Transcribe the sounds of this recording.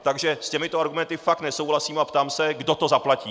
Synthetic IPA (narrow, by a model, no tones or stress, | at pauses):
t̪aɡʒɛscɛmɪt̪oaɾɡumɛnt̪ɪfak̚t̪nɛso̞wɦlasiːmapt̪aːmsɛɡdo̞t̪o̞zaplaciː